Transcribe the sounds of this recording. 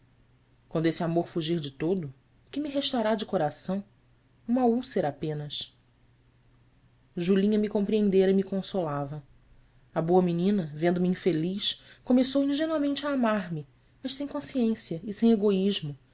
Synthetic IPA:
kwɐ̃nd̪ʊesɪamoɾfuʒiɾd͡ʒɪt̪od̪ʊ | kɪmiɦeʃt̪aɾad͡ʒɪkoɾasɐ̃w̃ | ũmɐuseɾapẽnɐʃ | ʒulĩɲɐmikõmpɾiẽnd̪eɾɐimikõsolavɐ | ɐboɐminĩnɐvẽnd̪ʊmiĩfeliʃkomesowĩʒenwamẽnt͡ʃɪaːmaɾmɪ | mɐʃsẽj̃kõsiẽsiɐɪsẽj̃eɡoiʒmʊ

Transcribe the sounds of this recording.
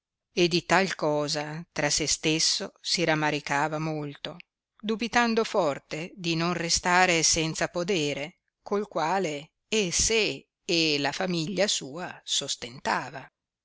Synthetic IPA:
ed̪it̪alkɔːzat̪ɾasest̪esːosiɾamːaɾikaːvamolt̪o | d̪ubit̪and̪ofɔrt̪ed̪inonrest̪aːɾesɛnt̪sapod̪eːɾe | kolkwaːle | eseː | lafamiʎːasuːasost̪ent̪aːva

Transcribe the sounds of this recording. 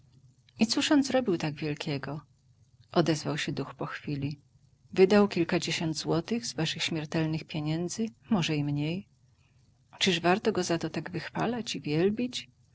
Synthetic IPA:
it̪suʂɔnd̪zɾɔbʲiwt̪aɡvʲjɛlkʲɛɡɔ | ʔɔd̪ɛzvawɕɛd̪uxpɔxfʲilʲi | vɘd̪awkʲilkad͡ʑeɕɔnd̪zwɔt̪ɘɣzvaʂɘxɕmʲjɛɾt̪ɛlnɘxpʲjeɲɛnd̪zɘmɔʐɛimɲej | t͡ʂɘʐvaɾt̪ɔɡɔzat̪ɔt̪aɡvɘxfalat͡ɕivʲjɛlbʲit͡ɕ

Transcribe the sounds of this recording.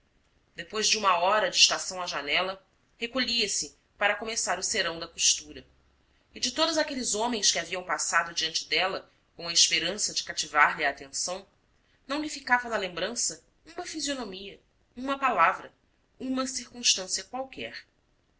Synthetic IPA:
d̪epojzd͡ʒɪũmɐɔɾɐd͡ʒɪiʃt̪asɐ̃w̃aʒanɛlɐ | hekoʎiɐsɪ | paɾɐkomesaɾʊseɾɐ̃w̃d̪ɐkuʃt̪uɾɐ | ɪd͡ʒɪt̪od̪ʊzakelɪzõmẽj̃skʲɪaviɐ̃w̃pasad̪ʊd͡ʒiɐ̃nt͡ʃɪd̪ɛlɐ | kõɐɪʃpeɾɐ̃sɐd͡ʒɪkat͡ʃivaɾʎiaːt̪ẽsɐ̃w̃ | nɐ̃w̃lifikavɐnɐlẽmbɾɐ̃sɐ | ũmɐfizionomiɐ | ũmɐpalavɾɐ | ũmɐsiɾkũʃt̪ɐ̃siɐkwawkɛ̰χ

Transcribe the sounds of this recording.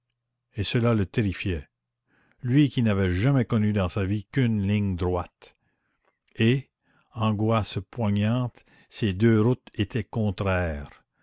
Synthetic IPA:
esəlalət̪eɾifjɛ | lɥikʲinavɛʒamɛkɔnyd̪ɑ̃savikynlɪ̃ŋd̪ɾwat̪ | e | ɑ̃ɡwaspwaɲɑ̃ːt̪ | sed̪øːɾut̪et̪ʰɛkɔ̃t̪ɾɛːʁ

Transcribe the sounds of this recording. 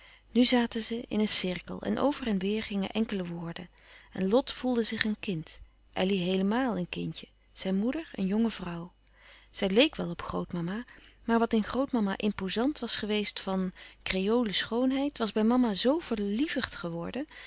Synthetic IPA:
nyzaːtənzəʔɪ̰nənsɪɹkə̰lˠɛ̰nʔo̰wvərɛnʋɪːɹχɪŋə̰ʔɛŋkələʋʊːɹdənɛnlɔtfulˠdəzɪχənkɪnt | ʔɛ̰liɦejləmaːlˠənkɪncə | z̥ɛjnmudəɹə̰njɔŋəvrʌwz̥ɛjlejkʋɛlˠɔpχrowtmɑmamaːɹʋɑtɪnχrowtmɑma̰ːʔɪmpozɑntʋɑsχəʋejstfɑnkrejowləsχownɦɛjtʋɑzbɛjmɑmazowv̥əɹlivəχtχəʋɔɹdən

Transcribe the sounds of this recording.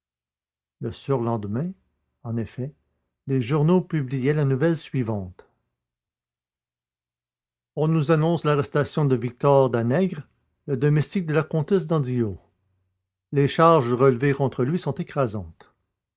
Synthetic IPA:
ləsyʁlɑ̃d̪əmɛ̃ | ɑ̃nefɛ | leʒuʁnopyblijɛlanuvɛlsɥivɑ̃t̪ | ɔ̃nuzanɔ̃slaʁɛst̪asjɔ̃d̪əvik̚t̪ɔʁd̪anɛɡʁ | ləd̪ɔmɛst̪ik̚d̪əlakɔ̃t̪ɛs̬d̪ɑ̃d̪io | leʃaʁʒʁəlvekɔ̃t̪ʁəlɥisɔ̃t̪ekχazɑ̃t̪

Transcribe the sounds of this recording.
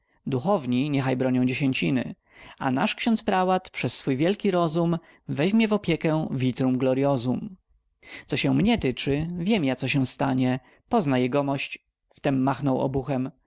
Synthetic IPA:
d̪uxɔvɲiɲɛxajbɾɔɲɔ̃w̃d͡ʑeɕeɲt͡ɕinɘ̰ | a̰na̰ʂkɕɔnt̪spɾawat̪pʂɛsːfujvʲjɛlkʲiɾɔzum | vɛʑmʲjɛvɔpʲjɛkɛvʲit̪ɾumɡlɔɾjɔzum | t̪sɔɕɛ̃mɲɛt̪ɘt͡ʂɘvʲjɛmjat̪sɔɕɛw̃st̪aɲɛ | pɔznajɛɡɔmɔɕt͡ɕ | ft̪ɛmːaxnɔwɔ̰buxɛm

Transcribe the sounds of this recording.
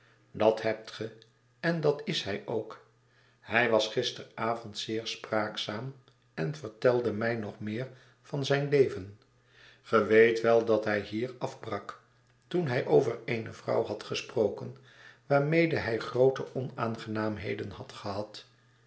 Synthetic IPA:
dɑtɦɛp̚tχə | ɛndɑtɪsɦɛjʔowk | hɛjʋɑsχɪstəraːvɔntsɪːɹspraːksaːm | ɛnv̥əɹtɛlˠdəmɛjnɔχmɪːɹ | v̥ɑnzɛjnlejvən | χəʋejtʋɛlˠdɑtɦɛjɦiːɹɑfbrɑk | tunɦɛjʔowvəɹejnəvrɑ̰wɦɑtχəsprowkən | ʋaːɹmejdəɦɛjχrowtəɔnaːnχənaːmɦḛjdənhɑtχəɦɑt

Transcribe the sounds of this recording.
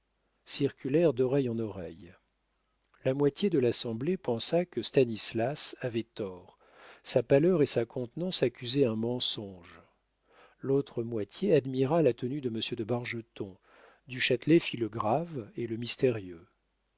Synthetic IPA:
siʁkʲylɛʁd̪ɔʁɛjɑ̃nɔʁɛ̰j | lamwat̪jed̪əlasɑ̃blepɑ̃sakəst̪anislasavɛt̪ɔʁ | sapalœʁesakʰɔ̃t̪nɑ̃sakʲyzɛɛ̃mɑ̃sɔ̃ʒ | lot̪χəmwat̪ʰjead̪miʁalat̪ənyd̪əməsjød̪əbaʁʒət̪ɔ̃ | d̪yʃat̪lɛfiləɡʁaveləmist̪eʁjø

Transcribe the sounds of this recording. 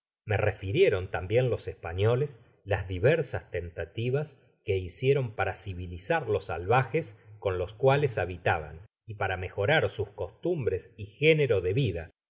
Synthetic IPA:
merefiɾje̞ɾo̞nt̪ambje̞nlo̞sespaɲo̞les | lazðiβeɾsast̪e̞nt̪at̪iβas | keisje̞ɾo̞mpaɾasiβilisaɾlo̞sːa̰lβaxesko̞nlo̞skwalesaβit̪aβa̰n | ipaɾame̞xo̞ɾaɾsusko̞st̪umbɾe̞sixe̞neɾo̞ðe̞βiða

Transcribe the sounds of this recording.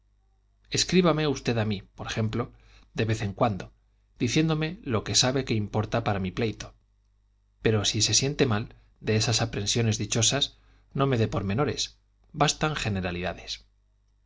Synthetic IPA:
e̞skɾiβame̞ust̪e̞ðamipoɾexe̞mplo̞ | d̪e̞βe̞θe̞ŋkwand̪o̞ | d̪̥iθje̞nd̪o̞me̞lo̞ke̞saβe̞ke̞impo̞ɾt̪apaɾamiplejt̪o̞̥ | pe̞ɾosise̞sje̞nt̪e̞mal | d̪e̞esasapɾe̞nsjo̞ne̞zðit͡ʃo̞sas | no̞me̞ðe̞po̞ɾmẽ̞no̞ɾe̞̰s | bast̪aŋxe̞ne̞ɾaliðaðe̞s

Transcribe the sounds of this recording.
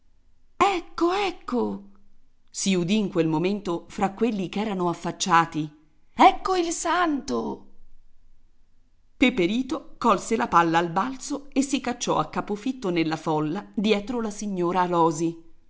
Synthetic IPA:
ɛkːoɛkːo | siud̪iːŋkwelmoment̪ofɾakːwelːikɛːɾanoafːat͡ʃːaːt̪i | ɛkːoilsant̪o | pepeɾiːt̪okɔlselapalːaːlbalt̪soesːikat͡ʃːɔakːapofit̪ːonelːafɔlːad̪jɛːt̪ɾolasiɲːoːɾaːlɔːzi

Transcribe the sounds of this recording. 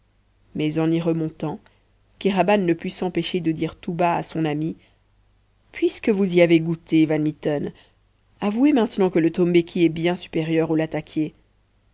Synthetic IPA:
mɛzɑ̃niʁəmɔ̃t̪ɑ̃ | keʁabanːəpɥisɑ̃peʃed̪əd̪iːʁt̪ubaa̰sɔ̃nami | pɥiskəvuziaveɡut̪evanmit̪ɔn | avuemɛ̃t̪nɑ̃kələt̪ɔmbekʲʰiɛbjɛ̃sy̥peʁjœʁolat̪akʲje

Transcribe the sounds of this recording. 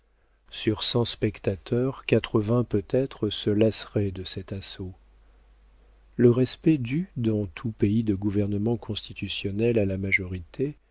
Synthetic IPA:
syʁsɑ̃spɛkt̪at̪œʁkat̪χəvɛ̃pøt̪ɛt̪χəsəlasʁɛd̪əsɛt̪aso | ləʁɛspɛd̪yd̪ɑ̃t̪ʰupeid̪əɡuvɛʁnəmɑ̃kʰɔ̃st̪it̪ysjɔnɛlalamaʒɔʁit̪ʰe

